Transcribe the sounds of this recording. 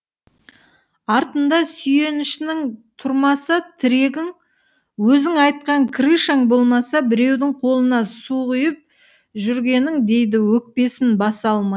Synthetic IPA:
ɑɾt̪ənd̪ɑsʏje̞nɪʃɪnɪŋt̪ʰʊɾmɑsət̪ʰɪɾe̞ɡʲɪŋ | wɵzɪŋɑjt̪̚qɑŋkʲʰriʃaŋbo̞lˠmɑsɑbɪɾe̞wd̪ɪŋqʰo̞lˠənɑsuʁʊjəp̚ | ʒʏɾɡʲe̞nɪŋd̪e̞jd̪ɪwɵk̚pe̞sɪnbɑsɑlˠmɑj

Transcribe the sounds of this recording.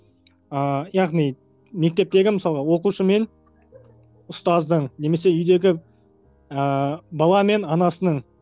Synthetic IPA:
əjɑʁnij | me̞k̚t̪e̞p̚t̪e̞ɡʲɪməsɑlˠəʁɑwo̞quʃəme̞n | ʊst̪ɑzd̪əɴne̞me̞s̬e̞ʏjd̪e̞ɡʲɪ | əbɑlˠɑme̞nɑnɑsənəɴ

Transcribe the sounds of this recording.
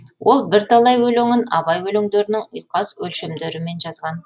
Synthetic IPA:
wʔo̞lˠbɪɾt̪ʰɑlˠɑjwɵleŋɪnɑbɑjwɵleŋd̪e̞ɾɪnɪŋʊ̰jqɑswɵlʃemd̪eɾɪme̞nʒɑzʁɑn

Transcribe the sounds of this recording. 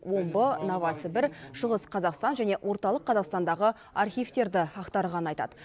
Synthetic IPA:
wo̞mbənɑvɑsəbɪɾʃəʁəsqʰɑzɑqst̪ɑnʒæne̞ʔwʔo̞ɾt̪ɑlˠəqʰːɑzɑqst̪ɑnd̪ɑʁə | ɑrχʲijft̪e̞ɾd̪ɪɑqt̪ɑɾʁɑnəɑjt̪ɑ̰d̪ə

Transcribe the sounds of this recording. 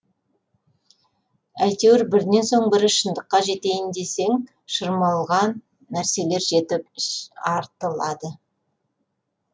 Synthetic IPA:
æjt̪ewɾbɪɾne̞nso̞ɴbɪɾɪʃənd̪əqːɑʒe̞t̪e̞jɪnd̪e̞se̞ŋ | ʃəɾmɑlˠʁɑnː | æɾse̞le̞ɾʒe̞t̪ɪpɑɾt̪əlˠɑd̪ə

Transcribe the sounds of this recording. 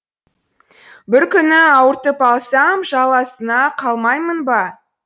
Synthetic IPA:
bɪɾkʲʏnɪɑwəɾt̪əpɑlˠsɑmʒɑlˠɑsənɑqʰɑlˠmɑjmənbɑ

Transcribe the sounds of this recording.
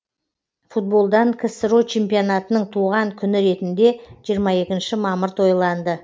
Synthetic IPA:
fut̪̚bo̞lˠd̪ɑŋkʲʰɪsɾot͡ʃʰe̞mpijonɑt̪ənəɴt̪ʰuʁɑŋkʲʰʏnɪɾe̞t̪ɪnd̪e̞ʒijəɾmɑje̞kʲɪnʃɪmɑməɾt̪ʰo̞jlˠɑnd̪ə

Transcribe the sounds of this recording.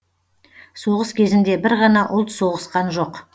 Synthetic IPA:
so̞ʁəskʲʰe̞zɪnd̪e̞bɪɾʁɑnɑʔʊlˠt̪so̞ʁəsqɑnʒo̞q

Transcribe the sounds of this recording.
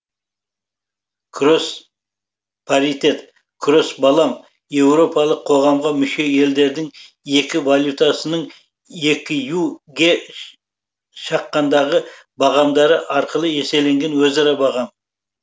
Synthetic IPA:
kʰɾo̞s | pʰaɾit̪e̞t̪ | kʰɾo̞sbɑlˠɑm | je̞wɾo̞pɑlˠəqʰo̞ʁɑmʁɑmʏʃe̞e̞ld̪e̞ɾd̪ɪŋ | e̞kʲɪvalʲˠjut̪asənəɴ | e̞kʲɪjuɡʲe̞ | ʃɑqːɑnd̪ɑʁə | bɑʁɑmd̪ɑɾəʔɑɾqəlˠəe̞se̞le̞ŋɡʲe̞nwɵzɑɾɑbɑʁɑm

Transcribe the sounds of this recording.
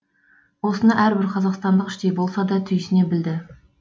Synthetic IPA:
wo̞sənɑʔæɾbɪɾqʰɑzɑqst̪ɑnd̪əqɪʃt̪ejbo̞lˠsɑd̪ɑt̪ʰʏjsɪne̞bɪld̪ɪ

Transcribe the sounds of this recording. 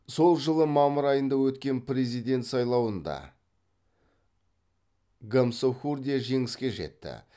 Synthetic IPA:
so̞lˠʒəlˠəmɑməɾɑjənd̪ɑwɵt̪kʲe̞npɾʲe̞zijd̪e̞nt̪sɑjlˠɑwənd̪ɑ̰ | ɡamsoxurd̪ʲeʒe̞ŋɪskʲe̞ʒe̞̰t̪ːɪ̰

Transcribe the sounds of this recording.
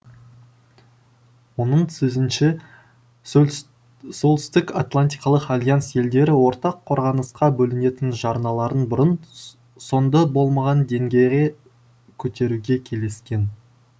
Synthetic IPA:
wo̞nəɴsɵzɪnʃɪ | solˠt̪ʏ̥st̪ɪkat̪lˠanʲt̪ijkɑlˠəqalʲˠjansje̞ld̪e̞ɾɪwo̞ɾt̪ɑqʰːo̞ɾʁɑnəsqɑbɵlɪne̞t̪ɪnʒɑɾnɑlˠɑɾənbʊɾən | so̞nd̪ɑbo̞lˠmɑʁɑnd̪e̞ŋɡʲe̞jʁe | kʲʰɵt̪e̞ɾuɡʲe̞kʲʰe̞le̞skʲe̞n

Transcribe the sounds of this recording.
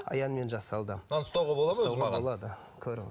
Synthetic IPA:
ɑ̰jɑnme̞nʒɑsɑlˠd̪əɑnəst̪ɑwʁɑbo̞lˠɑmowʁɑbolˠɑd̪ə | kʲʰɵɾɪŋ

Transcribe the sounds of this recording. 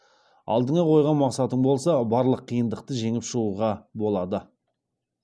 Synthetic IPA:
ɑ̰lˠd̪əɴɑqʰo̞jʁɑnmɑqsɑt̪əɴbo̞lˠsɑbɑɾlˠəqʰːijənd̪əqt̪əʒe̞ŋɪpʃəʁuʁɑbo̞lˠɑd̪ə

